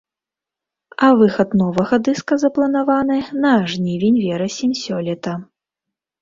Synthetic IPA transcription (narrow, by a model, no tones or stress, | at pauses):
ɐvɨxɐt̪nɔvɐɣɐd̪ɨskɐzɐplˠɐnavanɨnɐʐnʲivʲenʲvʲɛɾɐsʲimʲsʲɔlʲɛt̪ɐ